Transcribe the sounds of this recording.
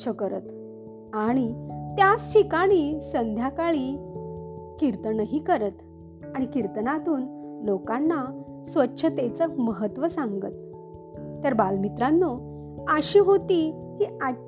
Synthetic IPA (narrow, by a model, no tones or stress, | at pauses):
əkəɾət̪ | aɽ̃it̪jast͡ɕʰikaɽ̃iːsənd̪ʱjakaɭiː | kiɾt̪ənəɦiːkəɾət̪ | aɽ̃ikiɾt̪ənat̪uːnlokanːa | sʋətːɕʰət̪et͡səməɦət̪ʋəsaŋɡət̪ː | əɾbalmit̪ɾanːo | əɕiːɦot̪iː | hiːa